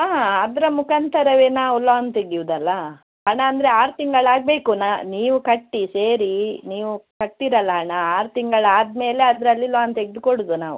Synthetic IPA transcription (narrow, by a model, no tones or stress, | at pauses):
aːɐd̪ɐɾɐmukɐnt̪ʰɐɾɐʋeːnaːulːoɐnt̪eɡiʋud̪ɐlːɐ | ɦɐɳɐːnd̪ɾe̞aːɾt̪iŋɡɐɭaːɡ̚be̞ːkunaniːʋukɐʈːise̞ːɾiniːʋukɐʈ̪ːiɾɐlːɐɦɐɳɐaːɾt̪iŋɡɐɭaːd̪me̞ːle̞ɐd̪ɐɾɐlːiloɐnt̪eɡɪd̪koɽud̪unaːʋṵ